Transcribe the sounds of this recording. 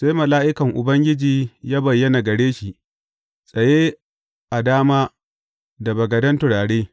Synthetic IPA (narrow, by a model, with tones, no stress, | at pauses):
sa˦jmɐ˨laː˦ʔɪ˦kɐ˨ŋʔʊ˨bɐ˦ŋɡʲɪ˦d͡ʒiː˨jaː˦bɐ˨jːɐ˦na˨ɡɐ˨ɽeː˦ʃi˨ʔ | sʼɐ˨jeː˦ | ʔa˨daː˦maː˦ | da˨bɐ˨ɡɐ˨dɐ˦ntʊ˨ɽaː˨ɽeː˦